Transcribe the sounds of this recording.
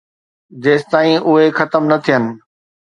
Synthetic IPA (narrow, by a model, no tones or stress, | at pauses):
d͡ʑeːst̪aːĩʔʊɦexɐt̪əmnɐt̪ʰijənɪ̆